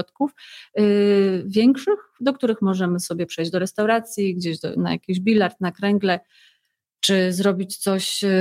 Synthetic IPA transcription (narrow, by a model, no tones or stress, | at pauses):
ɔt̪kuf | vʲjɛŋkʂɘxd̪ɔkt̪uɾɘxmɔʐɛmɘsɔbʲjɛpʂɛjʑd͡ʑd̪ɔɾɛst̪awɾat̪sʲjiɡd͡ʑeʑd̪ɔ̰na̰ja̰kʲiʑbʲilaɾt̪nakɾɛŋɡlɛ | t͡ʂɘzɾɔbʲit͡ɕt̪sɔɕ